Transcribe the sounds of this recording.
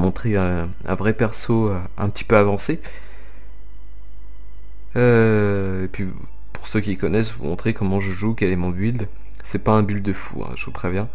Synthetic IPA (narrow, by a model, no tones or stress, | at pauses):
mɔ̃t̪χeɛ̃ | ɛ̰̃vʁɛpɛʁsoø | ɛ̰̃pət̪ʰi̥pøavɑ̃se | ø | epɥi | puʁsøkʲikɔnɛsvṵmɔ̃t̪χekɔmɑ̃ʒəʒukʲɛlɛmɔ̃bild̪ | sɛpaɛ̃byld̪əfṵɛ̰̃ʒəvupχevjɛ̃